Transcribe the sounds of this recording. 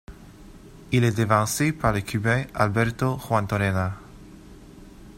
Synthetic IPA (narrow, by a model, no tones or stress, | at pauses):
ilɛd̪evɑ̃sepaʁlekʰybɛa̰lbɛʁt̪oχwãnt̪oɾena